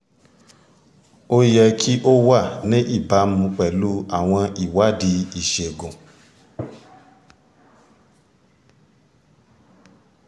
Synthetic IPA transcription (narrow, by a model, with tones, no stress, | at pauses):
o˦jɛ˧kʰi˦ʔo˦wa˦˨nĩ˦ʔi˦˨ba˨˦mũ˧k͡pɛ˨lu˦a˦˨w̃ɔ̃˧i˨wa˨˦di˧i˨ʃe˨ɡũ˨